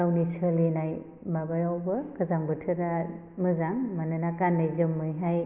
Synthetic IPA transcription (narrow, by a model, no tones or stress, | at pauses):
awnisɯlinaj | mabajawbɯkɯzaŋbɯtʰɯɾa | mɯzaŋmanɯnakanːajzɯmːɯjɦaj